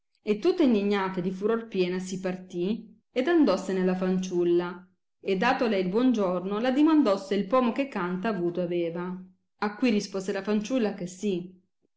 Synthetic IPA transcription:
et̪ːut̪ːaind̪iɲːaːt̪ad̪ifuɾorpjɛːnasipart̪i | ed̪and̪ɔsːenelafant͡ʃulːa | ed̪ːaːt̪oalɛjilbwɔnd͡ʒornolad̪imand̪ɔsːeilpɔːmokekːant̪aːvuːt̪oavɛːvaː | kːwirispoːzelafant͡ʃulːakesːi

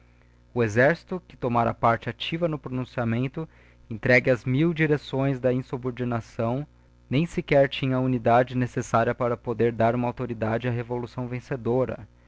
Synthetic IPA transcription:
ʊezɛɾsi̥t̪ʊkɪ̥t̪omaɾɐ̰paɾt͡ʃɪat͡ʃivɐnʊpɾonũsiamẽnt̪ʊ | ẽnt̪ɾɛɡɪɐzmiwd͡ʒiɾesõj̃zd̪ɐĩsuboɾd͡ʒinasɐ̃w̃ | nẽj̃sɪkɛɾt͡ʃĩɲɐunid̪ad͡ʒɪnesesaɾʲiɐpaɾɐpod̪eɾd̪aɾũmɐawt̪oɾid̪ad͡ʒɪaɦevolusɐ̃w̃vẽsed̪oɾɐ̰

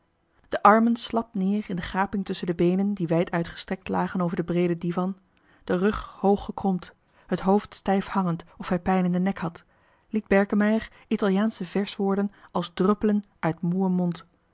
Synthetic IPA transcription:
d̥əʔɑɹmənslɑp̚nɪːɹɪndəχaːpɪŋtɵsəndəbejnəndiʋɛjtʰœɥtχə̥strɛk̚tlaːχənowvəɹdəbrejdədivɑn | d̥ərɵχhowχːəkrɔmt | hətɦowftstɛjfhɑŋəntɔfɦɛjpɛjnəndənɛkhɑt | lid̚bɛɹkəmɛjər | itɑlˠjaːnsəvɛɹsʋʊːɹdənʔɑlˠzdrɵpələnʔœɥtmuəmɔnt

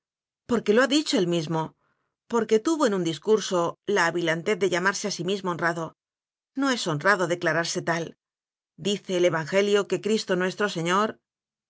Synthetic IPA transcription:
po̞ɾke̞lo̞aðit͡ʃo̞elmizmo̞ | po̞ɾke̞t̪uβo̞enund̪iskuɾso̞laːβilant̪e̞ððeʎamaɾse̞asimizmo̞onraðo̞ | no̞e̞so̞nraðoðe̞klaɾaɾse̞t̪al | d̪iθe̞ːle̞βaŋxe̞ljo̞ke̞kɾist̪o̞nwe̞st̪ɾo̞se̞ɲo̞ɾ

